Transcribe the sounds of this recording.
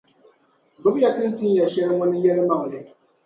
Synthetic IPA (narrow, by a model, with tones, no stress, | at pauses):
bo˨˦bja˨tɨ˦n̩˦tɨ˦n˦ja˨ʃɛ˦lɪ˦ŋɔ˦nɨ˦jɛ˦lɨ˦ma˦˨ŋ˨lɨ˦